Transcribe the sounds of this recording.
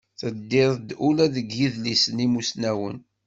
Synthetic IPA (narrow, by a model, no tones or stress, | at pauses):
θəd̪ːɪðˤd̪ulæðəɡjiðlisənimusnæwə̰n